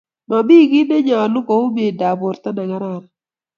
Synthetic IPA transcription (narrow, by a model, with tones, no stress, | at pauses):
ma˨bi˦˨ɡɪ˦ne˦ɲa˨lʊ˦kɔ˨ʊ˦be˨da˨bo˨ɾt̪a˦na˨ŋa˦ɾa˦˨ɾa˨